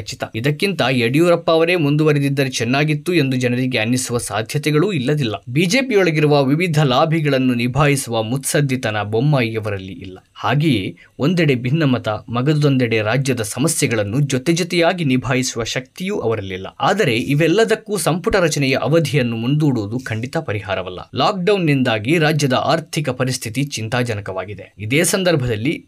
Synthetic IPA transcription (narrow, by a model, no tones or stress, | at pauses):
t͡ʃit̪ɐ̰id̪ɐkːint̪ɐeɽijuːɾɐpːɐːʋɐɾe̞ːmund̪uʋɐɾed̪id̪ːɐɾet͡ʃɛnːaːɡit̪ːue̞nd̪ud͡ʒɛnɐɾiɡeɐnːisuʋɐsa̰ːd̪ʱjɐt̪ɛɡɐɭuːilːɐd̪ilːɐbiːd͡ʒe̞ːpijɔɭɐɡiɾuʋɐʋiʋid̪ʱɐlaːbʱiɡɐɭɐnːunibʱaːjisuʋɐmut̪sɐd̪ʱjit̪ɐnɐbomːaːjjɐʋɐɾɐlːḭʔilːɐhaːɡeje | o̞nd̪ɛɽe̞bʱinːɐmɐt̪ɐmɐɡɐd̪ud̪ond̪ɛɽe̞ɾaːd͡ʒjɐd̪ɐsɐmɐsjɛɡɐɭɐnːud͡ʒot̪ɛd͡ʒot̪ɛjaːɡinibʱaːjisuʋɐʃɐk̚t̪ijuʔɐʋɐɾɐlːilːɐ̰a̰ːd̪ɐɾe̞ʔiʋɛlːɐd̪ɐkːusɐmpuʈɐɾɐt͡ʃɐnɛjɐʔɐʋɐd̪ʱijɐnːumund̪uːɽuːd̪ukʰɐɳɖit̪ɐpɐɾiɦa̰ːɾɐʋɐlːɐ̰laːk̚ɖɐwnːind̪aːɡiɾaːd͡ʒjɐd̪ɐʔa̰ːɾt̪ʰikɐpɐɾist̪ʰit̪it͡ʃint̪aːd͡ʒɐnɐkɐʋa̰ːɡid̪eid̪eːsɐnd̪ɐɾbʱɐd̪ɐlːi